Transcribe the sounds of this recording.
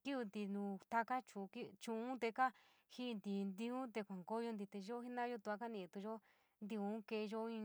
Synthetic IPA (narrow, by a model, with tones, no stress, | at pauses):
ki˦βi˧nd̪i˧nũ˧t̪a˧ka˦t͡ʃu˧˨˧ki˦t͡ʃũ˧ũ˦t̪e˧ka˦ | hi˦˧nd̪i˧˨nd̪ĩ˧ũ˦t̪e˧kʷa˨ŋɡo˦jo˧nd̪i˧t̪e˧ʒo˦hi˦nã˦jo˧t̪u˧a˧˦ka˦nĩ˧˨˧t̪u˧ʒo˦ | nd̪i˧ũ˧˦ke˧ʒo˦ĩ˧